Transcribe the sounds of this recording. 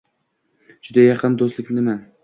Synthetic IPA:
d͡ʒʊd̪ajɑqʰɨnd̪ost̪lɪkʲnnɪma

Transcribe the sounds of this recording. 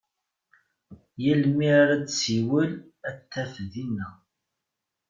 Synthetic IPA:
jəlmiaɾat͡ssiwəl | æt̪ːæfðinːæ

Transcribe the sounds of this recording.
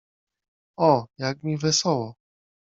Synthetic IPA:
ɔjaɡ̚mʲivɛsɔwɔ

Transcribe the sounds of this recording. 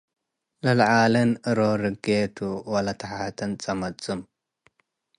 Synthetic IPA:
lɐlʕalɨnɨɾoɾɨɡet̪ʰuwɐlɐt̪ʰɐħat̪ʰɐnt͡sʼɐmɐt͡sʼɨm

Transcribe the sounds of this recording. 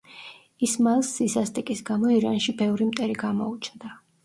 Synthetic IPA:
ismalsːisast̪ʼikʼisɡamɔiɾa̰nʃibɛvɾimt̪ʼɛɾiɡamɔut͡ʃʰnd̪a

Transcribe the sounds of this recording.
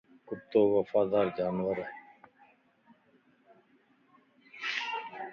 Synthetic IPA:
kʊt̪ːoːʋɐfaːd̪aːɾd͡ʒaːnʋəɾ

